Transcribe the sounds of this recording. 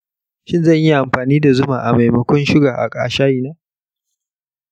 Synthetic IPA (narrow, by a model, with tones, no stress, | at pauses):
ʃɪ˦nzɐ˦˨ɲji˦ʔa˨mɸaː˨niː˦da˨zʊ˦maː˨ʔa˨ma˨jmɐ˨kʷɔ˦nʃɪ˦ɡaː˨ʔa̰˨kʼa̰ː˨ʃaː˦jiː˨naː˦